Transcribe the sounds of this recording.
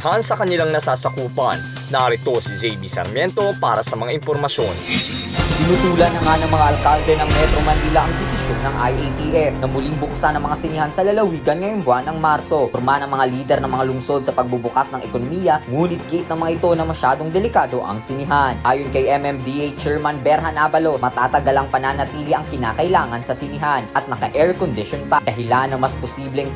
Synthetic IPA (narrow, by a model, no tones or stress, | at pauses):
hansɐkɐnɪlaŋnɐsaːsɐkuːpɐ̰nːɐʔaɾɪt̪o̞sɪd͡ʒɛjbisɐ̰ɾmjɛnt̪o̞pa̰ːɾɐsɐmɐŋaʔɪnpoɾmɐsjo̞n | t̪ɪnuːt̪uːlɐnːɐŋanɐŋmɐŋaʔɐlkald̪ɛnɐŋmɛt̪ɾo̞mɐnilaʔɐŋd̪ɪsɪsjo̞nːɐŋʔajʔejt̪iʔɛfnɐmʊliŋbʊksanɐŋmɐŋasɪnɪhansɐlɐlɐwiːɡɐnŋɐjoŋbʊanːɐŋmaɾso̞ɾmanɐŋmɐŋaliːd̪ɛɾnɐŋmɐŋalʊŋso̞d̪̚sɐpɐɡ̚bubʊkasnɐŋʔɛkonomijɐŋuːnɪt̪̚ɡɪʔɪt̪nɐŋmɐŋaʔɪt̪o̞nɐmɐʃaːd̪o̞ŋd̪ɛlɪkaːd̪o̞ʔɐ̰ŋsɪnɪɦanʔaːjonkɐjʔɛmɛmd̪iʔejt͡ʃɛɹmanbɛɾɦɐnabɐlo̞mɐt̪aːt̪ɐɡɐlaŋpɐnaːnɐt̪iːliʔɐŋkɪna̰ːkɐɪlaːŋɐnsɐsɪnɪɦanʔɐt̪̚nɐkɐʔɛɹkond̪ɪʃonpad̪ɐɦɪlanːɐŋmɐsposiːblɛŋ